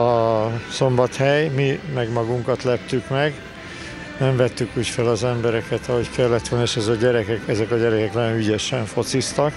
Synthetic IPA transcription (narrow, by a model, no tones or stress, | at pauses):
ɒso̞mbɒt̪hɛjmimɛɡmɒɡuŋkɒt̪lɛpt̪ykmɛɡ | nɛɱvɛt̪ːykuːcfɛlɒzɛmbɛɾɛkɛt̪ɒɦo̞ckɛlːɛt̪ʋolnieːʃɛzɒɟɛɾɛkɛkɛzɛkɒɟɛɾɛkɛknɒjoyɟɛʃɛɱfo̞t̪sist̪ɒk